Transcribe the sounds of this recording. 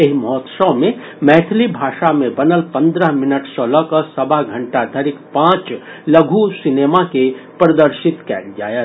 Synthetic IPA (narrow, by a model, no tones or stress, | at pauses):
eɦimɔːt̪səmẽ | mɛːʈ̪ʰlibʱaːʃamẽbɐnəlpɐ̃nd̪ɾəɦmɪnəʈsələkəsɐbaɦɡʱɐ̃ɳʈad̪ʱəɾɪkpãːt͡ʃ | lɐɡʱusɪneːmakepɾɐd̪əɾʃɪt̪kɛ̰ːnd͡ʒaːjə